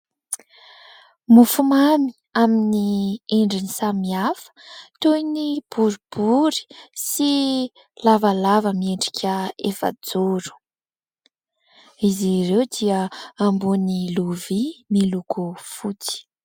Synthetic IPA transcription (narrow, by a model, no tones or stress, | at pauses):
mufumami̥ | aminieɳɖ͡ʐinisamiafə̥t̪ojnib̥uɾib̥uɾi̥si | lavəlavəmieɳɖ͡ʐi̥kʰʲəefə̰d͡zuɾu̥ | iziɾewd̪iəambuniluvimilukʰufut͡si̥